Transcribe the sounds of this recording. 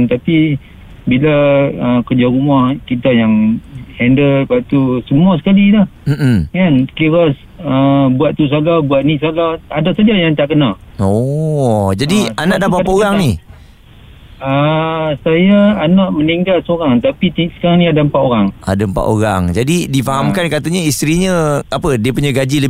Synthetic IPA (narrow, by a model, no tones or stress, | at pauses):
nt̪api | bilaəkərd͡ʒaɾumahkit̪ajaŋhɛndəlpaʔt̪usəmuas̬ə̥kalilah̩m̩kankiɾas | əbuat̪̚t̪us̬alahbuaʔ̪̚nisalaadasad͡ʒajaŋt̪aʔkənaɔ | d͡ʒadianaʔdapapaoɾaŋni | əsajaːnaʔməniŋɡalsoɾaŋt̪apit̪isə̥kaɾaŋnĩadampaʔoɾaŋa̰dampa̰ʔoɾaŋd͡ʒadidifaɦamkankat̪aɲaist̪ɾiɲə̃apədiəpuɲaɡad͡ʒilə